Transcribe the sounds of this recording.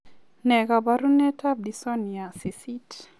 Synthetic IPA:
nɛ˨ɡa˨baɾu˦nɛ˦tʰa˦bdi˨sɔ˦ni˨a˨si˨sit

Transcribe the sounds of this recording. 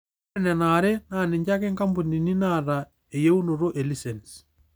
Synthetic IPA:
nɛ˨na˨ɾɛ˦na˨ne˨ɲd͡ʒa˦kɛ˦ŋka˦mbu˨ni˨ni˦na˨ɾa | e˨je˦u˦no˨ɾo˦ʔe˨li˦sɛ˨ns

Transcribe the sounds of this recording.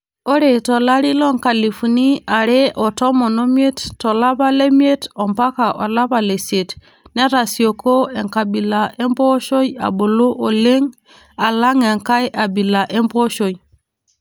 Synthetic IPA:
o˦ɾe˨tɔ˨la˦ɾi˦lɔ˦ŋka˨li˨fu˨ni˦a˨ɾe˦ʔɔ˨tɔ˦mɔ˨no˦m˦e˦ttɔ˨la˦βa˦le˦mi˦e˦tɔ˨mpa˦ka˨ʔɔ˨la˦βa˨le˨se˨t | nɛ˦ɾa˨si˨o˨ko˦ɛ˨ŋka˨bi˨la˨ʔe˦mbɔ˦ʃo˦ja̰˨bo˨lu˦ʔo˨le˦ŋ | a˨la˦ŋɛ˨ŋka˦jʔa˨bi˨la˨ʔe˦mbo˦ʃo˨i˨

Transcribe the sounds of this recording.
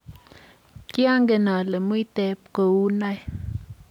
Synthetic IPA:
kja˦ŋɡe˨na˨le˨mu˦i˦tɛ˨p̚ko˨wu˦na˦j

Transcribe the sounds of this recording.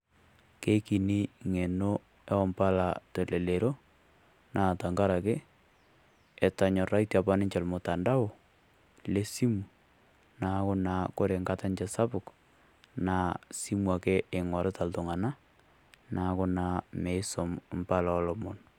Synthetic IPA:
ke˦ki˨ni˦ŋe˨no˦ | ɛ˦ɔ˦mpa˦la˨tɛ˨le˨le˨ɾo˦ | naː˨ta˨ŋɡa˦ɾa˨ke˦ | ɛ˨ta˨ɲɔ˨ra˦itja˨pa˦nɪ˦ɲt͡ʃɛ˨lmo˨ta˨nda˦wo˨ | le˦si˦mu˨ | na˨kʊ˦na˨ko˦ɾe˨ŋɡa˦ta˦nt͡ʃɛsa˦pʊ˨k | na˦si˦mwa˨ke˦ɪ˨ŋwa˨ɾɛ˦ta˨ltʊ˨ŋa˨na˦ | na˨kʊ˦na˨˦me˨ɪ˦sɔ˨mmpa˦la˨ɔ˦lɔ˨mɔ˨n

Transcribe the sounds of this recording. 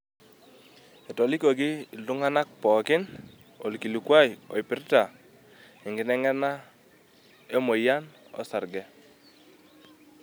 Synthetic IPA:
e˨tɔ˨li˦ko˨ɡi˦˨lʊ˦ŋa˦na˦k̚pɔ˨kɪ˦n | o̰˨lki˨lu˨kwa˦jɔ̰˨i˨pɪ˨ɾta˨ | ɪ˨ŋɡɪ˨nɛ˦ŋɛ˦na˦ | e˦mo˨ja˦nɔ̰˦sa˨ɾɡɛ˦

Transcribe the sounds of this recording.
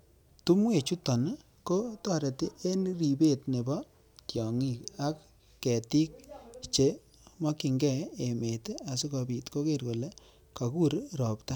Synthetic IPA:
tu˦mwe˨t͡ʃu˦tɔ˨n | ko˦tɔ˦˨ɾe˨ti˦ʔe˦nɾi˨be˦˨tne˨bɔ˦ | tjɔ˨ŋi˦˨ka˦kː | ɛ˨ti˦k̚t͡ʃe˨ | mɔ˦ki˨ŋɡɛ˦˨e˨me˨ta˨su˦ka˨bi˨tko˦ke˦˨rko˨le˦ | ka˨ku˦ɾɾɔ˨pta˦

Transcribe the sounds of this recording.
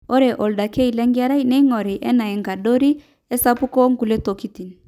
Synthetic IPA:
o˦ɾɛ˨ʔɔ˨lda˨kɛ˦i˨lɛ˦ŋɡi˦a˦ɾa˦i˦nɛ˦i˦ŋɔ˨ɾɛ˨ʔɛ˦na˨ɛ˨ŋɡa˨ɗo˦ɾi˦ | ɛ˦sa˦pu˦kɔ˦ŋɡu˨lɛ˦to˨ki˦ti˨n˨

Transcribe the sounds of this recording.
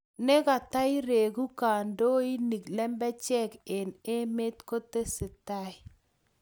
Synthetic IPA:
nɛ˦ka˨ta˦ɪ˦ɾe˨ɡu˦ka˨ndo˦i˦ni˨klɛ˦mbɛ˦t͡ʃɛ˦ke˨ne˦me˦t̪ko˦t̪e˦sɪ˨ta˦ɪ˦˨

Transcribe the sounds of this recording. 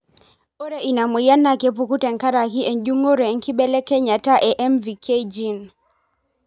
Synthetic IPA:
ɔ˦ɾɛ˨ʔi˨na˨mɛ˨ja˦na˨kɛ˦p̬u˨ku˦tɛ˨ŋka˦ɾa˨ki˦ʔɛ˨nd͡ʒu˦ŋɔ˦ɾɛ˨ŋ̩˦ki˦ɓɛ˦lɛ˦kɛ˦ɲa˨ta˦ʔɛ˨ʔɛ˦mvi˨kʰe˦d͡ʒi˦˨n

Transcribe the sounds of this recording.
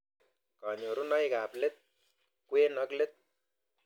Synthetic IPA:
ka˨ɲo˨ɾu˦na˦jka˨ple˦t̪̚ | kwe˦nɔ˦kle˦t̪̚

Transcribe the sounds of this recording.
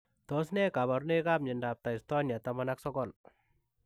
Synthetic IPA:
tɔ˦s̬nɛ˦kaba˨ɾne˦ka˦p̚ɲɪnda˨p̚ta˨istɔ˦nja˨tamanaksɔkɔl

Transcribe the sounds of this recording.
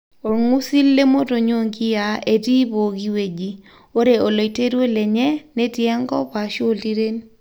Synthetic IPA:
o˨ɾŋu˦si˦lːe˦mo˦to˨ɲo˦ŋɡi˦ja˨e˨ti˦bo˨ɡi˦we˨d͡ʒi˦ | o˦ɾe˨o˨lo˨i˨te˦ɾwe˦le˨ɲɛ˦ne˦tjɛ˦ŋɡɔ̰˦pa˨ʃo˦lti˦ɾe˦n

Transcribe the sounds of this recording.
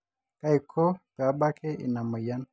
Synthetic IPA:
ka˦i˨kʰo˦ba˨˦ba˦kʰe˦ḭ˨na˨ma˨ja˦n

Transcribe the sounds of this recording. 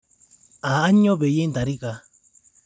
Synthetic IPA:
aː˨˦ɲo˦βe˨je˦nd̪a˨ɾi˦ka˧

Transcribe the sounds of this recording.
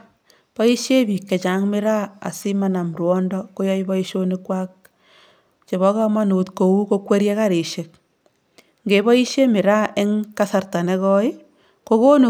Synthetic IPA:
pɔ˦i˦ʃje˦bi˨kːe˨t͡ʃa˨˦ŋme˦ɾa˦a̰˨si˦ma˦na˨mɾwɔ˦ndɔ˦ko˦jɔ˦i˦bɔ˦i˦ʃo˦ne˦kwa˦k̚ | t͡ʃe˨βɔ˦ka˦ma˦nu˨tko˨wu˦ko˦kwe˦ɾje˦ka˦ɾi˨ʃe˨k̚ | ŋɡe˨bɔ˦i˦ʃje˦mɪ˨ɾa˦ʔe˦ŋka˦sa˨rta˨ne˦kɔ˦i˦ | ko˦ko˦nu˨

